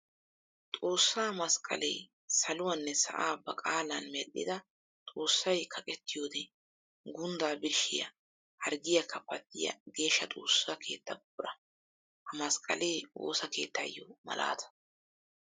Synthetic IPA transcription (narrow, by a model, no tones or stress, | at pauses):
t̪ʼo̞ːsːaːmɐskʼɐ̰lɛ̰j | sɐlʊwɐnːɛsɐ̰ʔaːbɐkʼaːlɐnmɛlːɪ̰d̪ɐ | t̪ʼo̞ːsːɐjkʰɐkʼɛt̪ʰːɪjo̞ːd̪ɛ | ɡʊnd̪aːbɪɾʃɪ̰jɐ̰ | hɐɾɡɪjɐkʰɐpːɐt̪ːɪjɐ̰ɡe̞ːʃːɐt̪ʼo̞̰ːsːaːkʰe̞ːt̪ːɐbbʊɾɐ | hɐmɐskʼɐ̰lejwo̰ːsɐke̞ːt̪ʰːɐjːɔmɐ̰lʔa̰ːt̪ʰɐ̥